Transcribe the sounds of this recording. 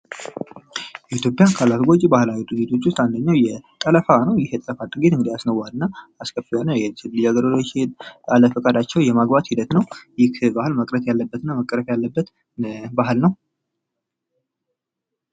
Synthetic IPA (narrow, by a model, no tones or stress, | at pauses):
jɛʔit̪ʰjo̞pʼːjankʰalat̪ɡo̞t͡ʃʼːbahlawit̪ʼɨɡet̪ʰo̞t͡ʃːʊst̪ʼand̪əɲːawjɛt̪ʼələfanəwjɛht̪ʼəfat̪ʼɨɡet̪ɨŋɡɨd̪ijasnəwːalɨnːaaskʰʼəfionəjɛt̪ʰɨlːɨd͡ʒaɡəɾlot͡ʃːɪnaləfəkʼad̪at͡ʃːɛwjɛmaɡbat̪hid̪ət̪nəwjɪkʰbahɨlməkʼɾət̪jalːəbːət̪ɨnːaməkʼːəɾəfjalːəbːət̪ | bahɨlnəw